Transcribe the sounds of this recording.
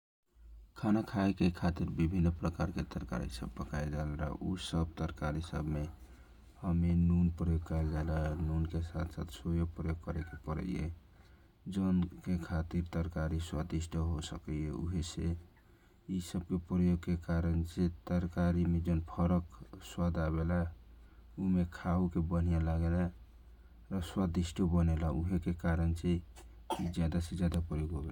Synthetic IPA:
kʰanakʰaekekʰat̪iɾbibʱinːpɾəkaɾket̪əɾka̰ɾḭsə̰bːəkʰaed͡ʒalɾa̰ɦʔusəb̚t̪əɾkaɾisəbʱme | həmenunpɾəjoɡ̚kaɪld͡ʒaelaɛnunkesat̪ʰsat̪sojopɾəjoɡ̚kəɾekepəɾə̰iḛ | d͡ʒənkekʰat̪iɾt̪əɾkaɾiswad̪isʈʰəɦosəkieṵɦese | isəb̚kepɾəjoɡkekaɾənset̪əɾkaɾimed͡ʒonpʰəɾəkswad̪aβela | umekʰaɦukebən̤ijalaɡela | ɾɔswad̪isʈʰəbənelauɦekekaɾənt͡ʃe | id͡ʒjad̪ased͡ʒjad̪apɾəjoɡɦobel

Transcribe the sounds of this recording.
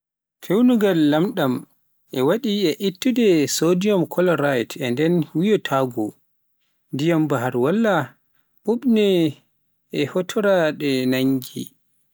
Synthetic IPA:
kʰewnuɡalːamɗam | ʔɛwaɗiɛʔitːudɛsodijɔmkʰɔlɔɾajtʰɛndɛnwijɔtʰaɡɔ | ndijambaɦaɾwalːa | ɓuɓnɛ | ʔɛhɔtʰɔɾaɗɛnaɲɡḭ

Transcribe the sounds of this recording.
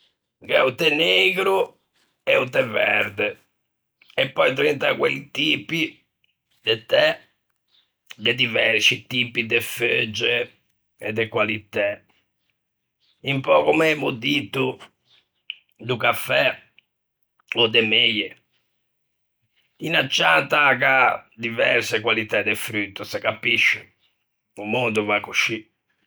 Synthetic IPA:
kɛut̪ɛneːɡɾu | ɛut̪ɛvɛ̰ɾd̪ɛ | ɛpːɔjt̪̬ɾint̪akwelit̪iːpi | d̪ɛt̪ɛ | d̪ɛd̪ivɛɾt͡ʃit̪iːpid̪ɛfød͡ʒɛ | ɛ̰d̪ːɛkwalit̪ːɛ | impɔkɔmɛmud̪it̪ːu | d̪ukafːɛ | ɔd̪ːɛmejɛ | inat͡ʃːant̪akad̪ivɛɾsɛkwalit̪ɛd̪ɛfɾyt̪ːusɛkapiʃːɛ | umond̪uvakuʃi

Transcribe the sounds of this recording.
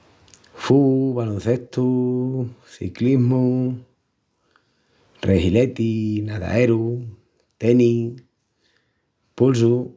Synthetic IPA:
fuβalõnθe̞ht̪u | θḭkliɦmu | rehilet̪inaða̰eɾu | t̪eni | puls̬u

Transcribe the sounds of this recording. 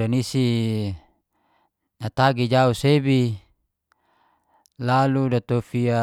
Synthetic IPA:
anisi | nat̪aɡid͡ʒausebi | laludat̪ofia

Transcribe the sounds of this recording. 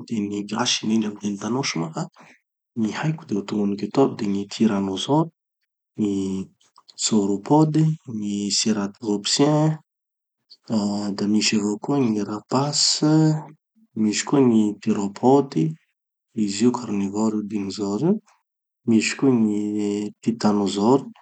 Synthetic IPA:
d̪̥eniɡaʃininamid̪enit̪anoʃumaka | nihajkud̪eut̪uŋɡuniket̪ob̚d̪eŋit̪ʰiɾanozo | ŋi | soɾopɔd̪iŋiseɾat̪lopsjɛ̃ | d̪amiʃavokuəŋiɾapas | miʃi̥kuəŋipiɾopʰɔd̪i | iziukʰaɾnivoɾid̪inizoɾiw | miʃi̥kuŋit̪it̪anozɔɾu̥

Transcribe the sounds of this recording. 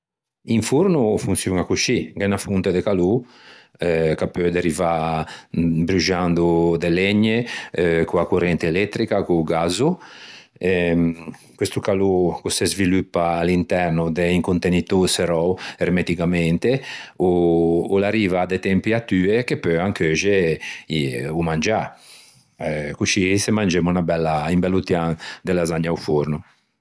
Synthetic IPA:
iɱfuɾnufunt̪sjuŋakuʃiɡɛnafunt̪ed̪ekalu | kapːød̪eɾiva | bɾuʒand̪ud̪elɛɲːekuakurɛnt̪eːlɛt̪ːɾikakuɡazu | ɛ | kwest̪ukalukusezvilupːaːlint̪ɛrnud̪eiŋkunt̪enit̪useɾɔwermet̪ikamɛnt̪euːlaɾiːvad̪et̪ɛmpiat̪yːekepøaŋkøʒeiumand͡ʒa | kut͡ʃisemand͡ʒemunabɛlːaimbɛlːut̪jaŋd̪elazaɲaufuɾnu

